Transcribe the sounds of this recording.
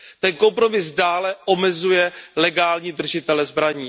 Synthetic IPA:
t̪ɛnko̞mpɾo̞mɪsdaːlɛʔo̞mɛzujɛlɛɡaːlɲiːd̪r̩ʒɪt̪ɛlɛzbɾaɲiː

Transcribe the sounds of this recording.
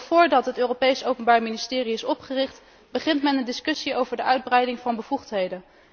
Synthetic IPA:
fʊːɹdɑtɦətøːropejsowpənbaːɹminɪstɪːriɪsɔpχərɪχt | bəχɪntmɛnəndɪskɵsiowvəɹdəœɥd̚brɛjdɪŋvɑnbəvuχtɦejdən

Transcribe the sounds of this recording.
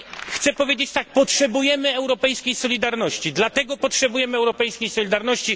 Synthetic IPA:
xt̪sɛpɔvʲjed͡ʑet͡ɕt̪ak̚pɔtʂɛbujɛmɘɛwɾɔpɛjskʲejsɔlʲid̪aɾnɔɕt͡ɕid̪lat̪ɛɡɔpɔtʂɛbujɛmɘɛwɾɔpɛjskʲejsɔlʲid̪aɾnɔɕt͡ɕi

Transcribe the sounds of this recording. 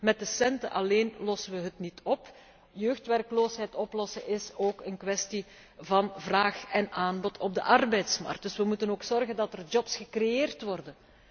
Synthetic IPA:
mɛt̚dəsɛntə̰ʔɑleːnlɔsənʋəɦətnitɔp | jøːxtʋɛrkloːsɦɛjtɔplɔsəʔɪsoːkənkʋɛsti | vɑnvraːxɛnʔaːnbɔtʰɔb̚də̰ʔɑrbɛjtsmɑ̰rk̚d̥ɵsʋəmutənoːksɔrɣəndɑtərd͡ʒɔpsxəkrejeːrtʋɔrdən

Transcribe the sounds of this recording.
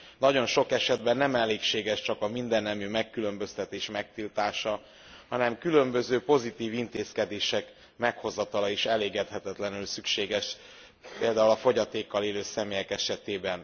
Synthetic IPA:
nɒɟo̞nʃo̞kɛʃɛd̪bɛnːɛmɛlːeːkʃeːɡɛʃt͡ʃɒkɒmind̪ɛnːɛmyːmɛkːylø̞mbø̞st̪ɛt̪eːʃmɛk̚t̪ilt̪aːʃɒ | hɒnɛmkylø̞mbø̞zøːpo̞zit̪iːvint̪eːskɛd̪eːʃɛk | mɛkho̞zɒt̪ɒlɒiʃɛleːɡɛt̪hɛt̪ɛt̪lɛnylsykʃeːɡɛʃ | peːld̪aːulɒfo̞ɟɒt̪eːkːɒleːløːsɛmeːjɛkɛʃɛt̪eːbɛn

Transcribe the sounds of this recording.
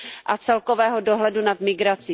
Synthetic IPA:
ʔat͡sɛlkovɛːɦodoɦlɛdunat̪mɪɡɾat͡sɪ

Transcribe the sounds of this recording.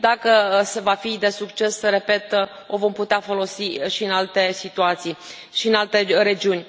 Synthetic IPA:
d̪akəsevafid̪e̞sukt͡ʃe̞sre̞pe̞t̪ | o̞vo̞mput̪eafo̞lo̞siʃiɨnalt̪e̞sit̪uat̪sij | ʃiɨnalt̪e̞ɾe̞d͡ʒiunʲ

